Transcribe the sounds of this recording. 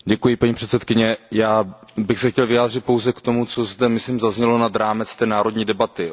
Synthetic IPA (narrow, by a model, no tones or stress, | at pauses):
ɟɛkujɪpaɲiːpr̥ɛt̪t͡sɛt̪̚kɪɲɛjaːbɪxsɛxcɛlvɪjaːd̪r̝ɪt̪̚po̞wzɛkt̪o̞mut͡sozd̪ɛmɪsliːmzazɲɛlo̞nad̪ɾaːmɛt͡st̪ɛːnaːɾo̞dɲiːdɛbat̪ɪ